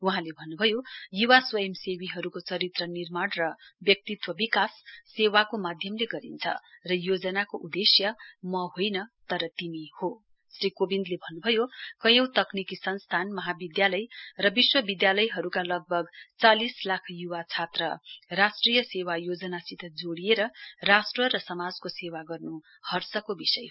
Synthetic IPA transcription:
uɦãlebʱʌnːubʱʌjojuwaswʌemsewiɦʌɾukot͡sʌɾit̪rʌnirmanrʌbjʌk̚t̪it̪wʌbikasːewakomad̪ʱjʌmleɡʌɾḭnt͡sʰʌ̰rʌjod͡zʌnakoʔud̪esjʌmʌɦojnʌt̪ʌɾʌt̪imiho | srikobind̪lebʱʌnːubʱʌjokʌjʌ̃w̃t̪ʌknikisʌnst̪ʰanmʌɦabid̪jalʌjrʌbiswʌbid̪jalʌjɦʌɾukalʌɡ̚bʱʌɡt͡salislakʰjuwat͡sʰat̪rʌ̰rasʈrijʌsewajod͡zʌnasit̪ʰʌd͡zoɽijeɾʌrasʈrʌɾʌsʌmad͡zkosewaɡʌrnu | hʌrsʌkobisʌj

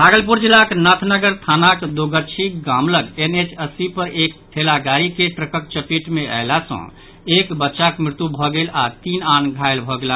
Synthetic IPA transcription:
bʱaɡəlpuɾd͡ʒilːaknat̪ʰnəɡəɾt̪ʰanakd̪oɡət͡ʃʰiɡamləɡenet͡ʃəsipəɾʔekʈ̪ʰelaɡaɾikeʈɾəkəkt͡ʃəpiʈmeə̰lasə̰̃ | ekbətːʃakmɾɪt̪ubʱɔɡelat̪inanɡʱaelbʱɔɡela

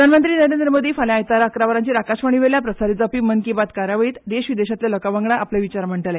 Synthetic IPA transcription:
əd̪ʱanmənt̪ɾiːnəɾend̪ɾəmod̪ʱiːfalẽajt̪aɾaəkɾaʋəɾãɲt͡ɕiɾakaɕʋəɳ̃iʋeɾljapɾəsaɾid͡zapiːmənkibat̪kaɾjaʋəiːt̪d̪eɕʋid̪eɕat̪lelɔkaʋaŋɡɭaʔapleʋit͡ɕaɾm̤əɳʈəle

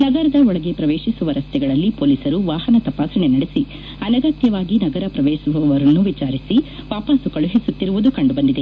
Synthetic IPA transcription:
nɐɡɐɾɐd̪ɐɔɭɐɡe̞pɾɐʋeːʃisuʋɐɾɐst̪ʰɛɡɐɭɐlːipoːlisɐɾuʋaːɦɐnɐt̪ɐpaːsɐɳenɐɽesi | ɐnɐɡɐt̪jɐʋaːɡinɐɡɐɾɐpɾɐʋeːʃuʋɐʋɐɾɐnːuʋit͡ʃaːɾisiʋaːpɐsukɐɭuɦisut̪ːiɾuʋud̪ukɐɳɖubɐnd̪id̪e̞

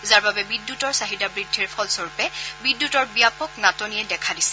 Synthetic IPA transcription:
zaɹbabɛbidːutɔɹsaɦidabɹidʱːiɹpʰɔlsoɹupɛbidːutɔɹbijapɔknatɔnijɛdɛkʰadisɛ̥

